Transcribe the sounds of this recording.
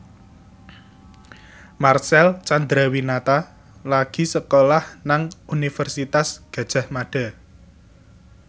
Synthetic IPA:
marsɛlt͡ʃand̪ɾawinat̪a | laɡ̥i̤səkolahnaŋunifərsit̪asɡ̥ä̤d̥ʒ̥a̤hmaɖ̥a̤

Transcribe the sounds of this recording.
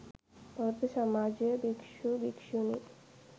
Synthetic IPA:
pɔt̪eʃamad͡ʑebikʃubikʃuni

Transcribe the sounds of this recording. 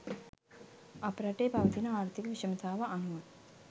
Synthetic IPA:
ɐpɾɐʈeːbʱɐʋɐt̪inɐaːɾt̪ʰikɐʋiʃɐmɐt̪ʰaːʋɐʔɐnuʋɐ

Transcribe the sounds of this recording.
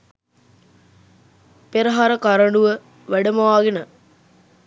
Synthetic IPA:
peɾəɦaɾəkaɾəɳɖuʋə | ʋæɖəməʋaːɡenə

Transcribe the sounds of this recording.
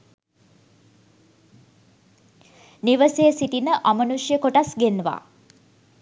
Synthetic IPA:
niʋəsejəsit̪inəʔamənuʃjəkoʈasɡenəʋa̰ː

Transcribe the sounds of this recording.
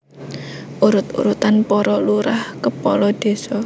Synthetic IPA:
ʔuɾʊt̪ṵɾut̪anpɔɾɔluɾahkəpɔlɔd̪̥e̤sɔ

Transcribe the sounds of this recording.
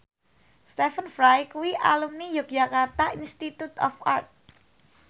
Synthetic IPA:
st̪efənfɾajkuwiʔa̰lumnijʊk̚d͡ʒakart̪aʔinst̪it̪ut̪ɔ̰fa̰rt̪̚

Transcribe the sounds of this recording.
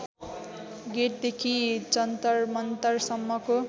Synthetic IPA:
ɡeʈ̚d̪ekʰit͡sʌnt̪ʌrmʌnt̪ʌrsʌmːʌko

